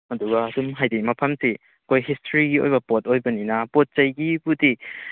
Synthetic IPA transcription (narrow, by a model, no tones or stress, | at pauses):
ɐduɡɐɐdumɦajdimɐpʰɐmsi | ɐkʰojhistʰɾiɡio̰jbɐpot̚ojbɐninɐpot̚t͡ʃɐjɡibudi